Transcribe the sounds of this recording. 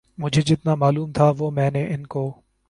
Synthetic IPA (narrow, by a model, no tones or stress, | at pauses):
mʊd͡ʒʱeːd͡ʒɪt̪naːmaːluːmt̪ʰaːʋoːmɛ̃ːneʔɪnkoː